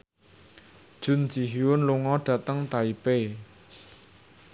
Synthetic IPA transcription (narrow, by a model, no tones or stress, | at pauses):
d͡ʒ̥un̥d͡ʒiɦiwənlʊŋɔɖ̥at̪aŋt̪aipe